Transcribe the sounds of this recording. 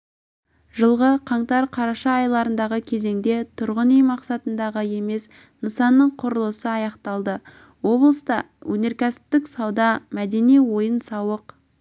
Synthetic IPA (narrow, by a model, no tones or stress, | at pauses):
ʒəlˠʁəqʰɑɴt̪ɑɾqʰɑɾɑʃɑːjlˠɑɾənd̪ɑʁəkʲʰe̞ze̞ŋd̪e̞t̪ʰʊɾʁənijmɑqsɑt̪ənd̪ɑʁəje̞me̞s | nəsɑnːəɴqʰʊɾəlˠəsəɑjɑqt̪ɑlˠd̪ə | wo̞blˠəst̪ɑ | wɵne̞ɾkʲʰæsɪ̥p̚t̪ːɪksɑwd̪ɑmæd̪e̞nijwo̞jənsɑwəq